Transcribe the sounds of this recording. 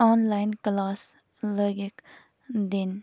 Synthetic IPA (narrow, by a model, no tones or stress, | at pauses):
ɔnlajnklaːs | ləɡek | d̪en